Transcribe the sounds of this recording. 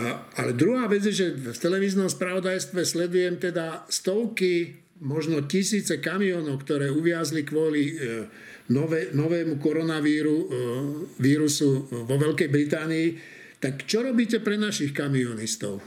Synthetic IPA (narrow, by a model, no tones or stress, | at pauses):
alɛd̪ɾuɦaːʋɛd͡zjɛʒɛft̪ɛlɛʋiːznɔmspɾaʋɔd̪ajst̪ʋɛslɛd̪ujɛmt̪ɛd̪ast̪ɔʊki | mɔʒnɔcisiːt͡sɛkamiɔːnɔʊkt̪ɔɾɛːuʋɪazlikʋɔli | nɔʋɛnɔʋɛːmukɔɾɔnaʋiːɾu | ʋiːɾusuʋɔʋɛlkɛjbɾit̪aːniː | t̪akt͡ʃɔɾɔbiːcɛpɾɛnaʃixkamiɔnist̪ɔ̰ʊ